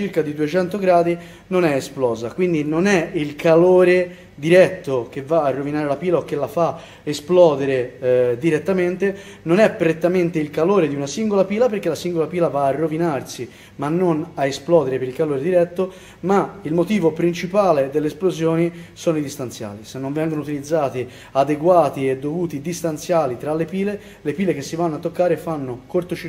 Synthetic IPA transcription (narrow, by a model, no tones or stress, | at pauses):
t͡ʃiɾkad̪id̪uet͡ʃɛnt̪oɡɾaːd̪i | nonɛesplɔːzakwind̪inonɛilkʰaloːɾe | d̪iɾɛt̪ːok̟evaːrːovinaːɾelapiːlaok̟ːelafa | esplɔːd̪eɾed̪iɾet̪ːament̪e | nonɛpːɾet̪ːament̪eilkaloːɾed̪iunasiŋɡolapiːlapeɾk̟elasiŋɡolapiːlavaːrːovinarsi | manːonaesplɔːd̪eɾepeɾilkaloːɾed̪iɾɛt̪ːo | mailmot̪iːvopɾint͡ʃipaːled̪elːesplozjoːnisoːnoid̪ist̪ant̪sja̰ːlisenːõɱvɛŋɡonout̪ilid̪zːaːt̪i | ad̪eɡwaːt̪ied̪ːovuːt̪id̪ist̪ant̪sjaːlit̪ɾalːepiːle | lepiːlek̟esːivanːoat̪ːokːaːɾefanːokort̪ot͡ʃi